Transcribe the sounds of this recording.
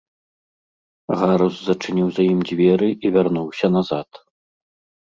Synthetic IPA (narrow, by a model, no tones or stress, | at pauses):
ɣaɾuszɐt͡ʂɨnʲiwzajimd͡zʲvʲɛɾɨʔivʲarnuwsʲɐnazat̪